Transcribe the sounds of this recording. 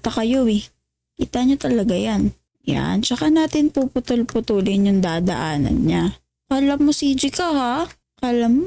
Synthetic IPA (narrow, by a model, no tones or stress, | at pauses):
t̪ɐkɐjowɪ | kḭːt̪ɐɲot̪ɐlɐɡajan | ja̰nt͡ʃɐkanaːt̪ɪnpupʊt̪olpʊt̪uːlɪnjʊŋd̪aːd̪ɐ̰ʔaːnɐ̰nɲa | kɐʔlɐmːosiːd͡ʒɪkaha | kɐʔlɐm